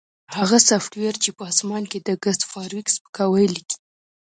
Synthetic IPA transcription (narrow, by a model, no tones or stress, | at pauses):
haɣasafʈweɾt͡ʃepəɑsmɑnked̪əɡəst̪fɑɾwikspə̥kɑwəjliki̥